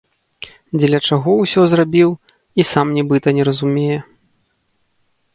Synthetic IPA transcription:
d͡zʲɛlʲɐt͡ʂaɣɔwsʲɔzrabʲiw | isamnʲɛbɨt̪ɐnʲɛɾɐzumʲejɛ

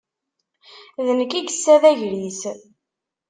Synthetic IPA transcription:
ðənəkːiɡəsːæðæʝɾis

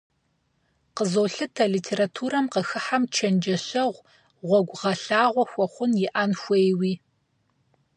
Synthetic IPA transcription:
qəzoːɬɨtʰɐliːtʰeːɾatʰuːɾɐmqəxɨħamt͡ʃʰɐnd͡ʒɐɕɐʁʷ | ʁʷɔɡʷʁɐɬaːʁʷɔxʷɔχʷʊnjɪʔaːnxʷejwiː

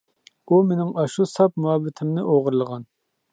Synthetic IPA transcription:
umenɪŋɑʃusɑp̚muɑbːɪt̪ʰɪmnɪʔoʁəɾlˠəʁɑn

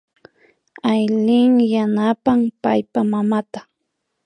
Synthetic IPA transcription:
ajlɪŋjanapampajpamamat̪ḁ

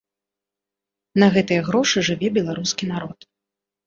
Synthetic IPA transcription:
nɐɣɛt̪ɨjɐɣɾɔʂɨʐɨvʲɛbʲɛlˠaɾuskʲinaɾɔt̪

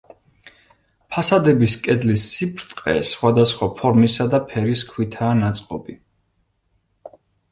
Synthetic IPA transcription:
pʰasad̪ɛbiskʼɛd̪lisːipʰɾt̪ʼqʼɛ̰sχwad̪asχwapʰɔɾmisad̪apʰɛɾiskʰwit̪ʰaːnat̪sʼqʼɔbi

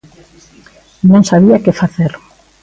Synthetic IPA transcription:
nõŋsaβiakɪfaθeɾ

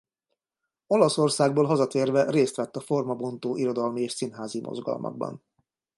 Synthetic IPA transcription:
o̞lɒso̞rsaːɡboːlɦɒzɒt̪eːrvɛreːst̪ʋɛt̪ːɒfo̞rmɒbo̞nt̪oːʔiɾo̞d̪ɒlmieːʃsinɦaːzimʔo̰zɡɒ̰lmʔɒ̰ɡ̚bɒ̰n

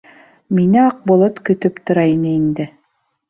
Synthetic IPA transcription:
minɘɑq̚bŏlˠot̪kɵ̆t̪ɵpt̪ŏɾɑinɘind̪ɘ

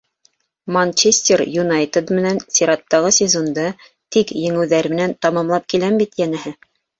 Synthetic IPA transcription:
mɐnʲt͡ɕesʲt̪ʲerjunajt̪ed̪mɘ̆nænsʲeɾɑt̪ːɑʁɤsʲɪzond̪ɤ | t̪ikjɘ̆ŋɘ̆wðæɾmɘ̆nænt̪ɑmɑmlˠɑp̚kilæmbit̪jænɘ̆ɦɘ

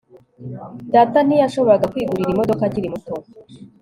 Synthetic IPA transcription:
daːtanijaʃo̞βo̞ɾaɡakwiːɡuɾiɾimo̞do̞kaɟiɾimuto

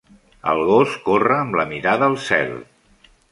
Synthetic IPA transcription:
ə̰lˠɣoskorəːmləmiɾaðəːlˠsɛ̰l

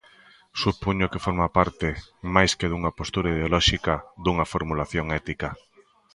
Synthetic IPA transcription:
supuɲʊkefoɾmapaɾt̪ɪmajskeðuŋɐpost̪uɾaiðeolɔʃikaðuŋɐfoɾmulaθjoŋɛt̪ika

